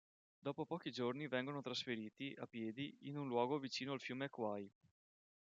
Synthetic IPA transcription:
d̪ɔːpopɔːk̟id͡ʒornivɛŋɡonot̪ɾasfeɾiːt̪iapːjɛːd̪iinunlwɔːɡovit͡ʃiːnoalfjuːmeakːwaj

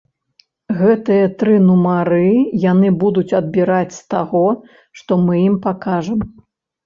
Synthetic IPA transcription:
ɣɛt̪ɨjɐt̪ɾɨnumaɾɨjanɨbud̪ut͡sʲɐd̪̚bʲiɾat͡sʲst̪aɣɔ | ʂt̪ɔmɨjimpakaʐɐm

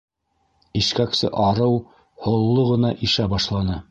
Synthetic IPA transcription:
iʃkæksɘ̰ʔɑɾɤw | hŏlˠːoʁɤ̆nɑʔiʃæbɑʃlˠɑnɤ

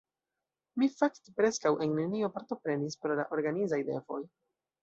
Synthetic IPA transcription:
mifakte̥pɾe̞skawʔe̞nːenio̞paɾto̞pɾe̞nispɾo̞la̰ʔo̞ɾɡanizajde̞̰vo̞̰j

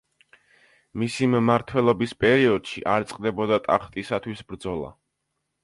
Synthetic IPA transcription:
misimmaɾt̪ʰwɛlˠɔbispʼɛɾiɔd̪̥ʃiʔaɾt̪sʼqʼd̪ɛbɔd̪at̪ʼa̰χt̪ʼisat̪ʰwisbɾd̪zɔlˠa̰

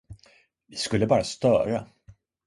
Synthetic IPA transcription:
vɪskɵlːəbɑːɾast̪œːɾa̰

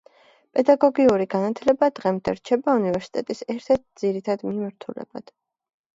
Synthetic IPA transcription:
pʼɛd̪aɡɔɡiuɾiɡanat̪ʰlɛbad̪ʁɛmd̪ɛ̰ɾt͡ʃʰɛbaunivɛɾsi̥t̪ʼɛt̪ʼisɛɾt̪ʰɛɾt̪̚d̪ziɾit̪ʰad̪mimaɾt̪ʰulɛ̰ba̰d̪̥

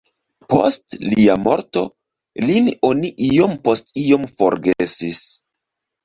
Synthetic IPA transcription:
po̞̰stliamo̞ɾto̞̰ | lino̞niʔijo̞mpo̞stiomfo̞̰ɾɡesis

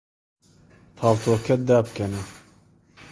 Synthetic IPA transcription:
t̪ʰaːlt̪ʰoːkʰɛt̪̚d̪aːbɨkɛnɛ

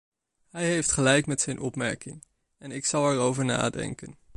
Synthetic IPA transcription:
ɦɛjɦejftχəlɛjkmɛtsɛjnʔɔpmɛ̰ɹkɪŋ | ɛnɪksɑlˠɛɹowvəɹna̰ːdɛ̰ŋkən

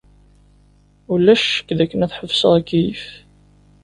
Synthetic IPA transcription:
ulːæʃːə̥kːðækːənæθħəvsəʁækːiif

